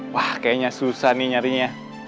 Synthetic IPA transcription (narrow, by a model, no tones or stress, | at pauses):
wahkaaɲasusahniɲaɾiɲa